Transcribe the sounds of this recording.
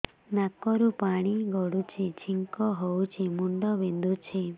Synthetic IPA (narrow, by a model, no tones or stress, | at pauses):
nakɔɾupaɽ̃iɡɔɽut͡ʃʰit͡ʃʰiŋkɔɦowt͡ʃʰimuɳɖɔbend̪ʱut͡ʃʰe